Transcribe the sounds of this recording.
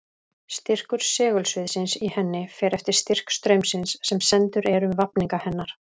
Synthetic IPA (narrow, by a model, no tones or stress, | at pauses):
st̪ɪr̥kʏɾ̥sɛːɣʏlsvʏðsɪnsihɛnːɪfɛːɾɛft̪ɪɾ̥st̪ir̥kst̪ɾœɥmsɪnsːɛmsɛnt̪ʏɾɛɾʏmvapniŋkahɛnːaɾ̥